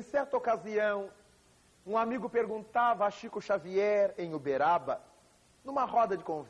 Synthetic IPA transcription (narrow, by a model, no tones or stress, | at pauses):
ẽsɛɾt̪ɐokaziɐ̃w̃ | ũamiɡʊpeɾɡũnt̪avɐaʃikʊʃaviɛɾẽj̃ʊbeɾabɐ | nũmɐhɔd̪ɐd͡ʒɪkõv